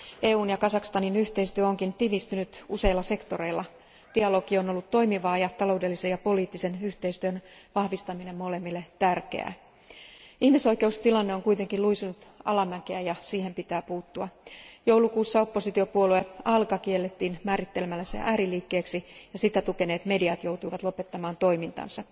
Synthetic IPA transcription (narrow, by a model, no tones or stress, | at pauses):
e̞ːuːnjɑkɑsɑkst̪ɑninyçt̪e̞ist̪yæo̞ŋkint̪iʋist̪ynyt̪use̞ilːɑse̞kt̪o̞ɾe̞ilːɑ | d̥iɑlo̞kio̞no̞lːut̪to̞jmiʋɑːjɑt̪ɑlo̞wde̞lːisejɑpo̞liːt̪ːise̞nyht̪e̞jst̪yønʋɑhʋist̪ɑmine̞mːo̞le̞mːilːe̞t̪ærkḛæ̰ː | ihmiso̞jke̞ust̪ilɑnːeo̞ŋkujt̪e̞ŋkiluisunut̪ɑ̰lɑmækeæjɑsiːhe̞mpit̪æːpuːt̪ːuɑjowlukuːsːɑo̞pːo̞sit̪io̞puolue̞ɑlkɑkielːet̪ːiːnmæːɾit̪ːe̞lmælːæsḛʔæːɾiliːkːe̞ːksijɑsit̪æt̪uke̞neːt̪me̞diɑt̪jo̞wt̪ujʋɑt̪lo̞pe̞t̪ːɑmɑːnt̪o̞jmint̪ɑ̰nsɑ